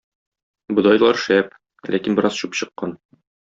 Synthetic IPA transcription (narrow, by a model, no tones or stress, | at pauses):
bŏd̪ɑjlˠɑɾʃæp̚ | lʔæ̰kinbɘ̆ɾɑz̥ɕupɕɤ̆qːɑn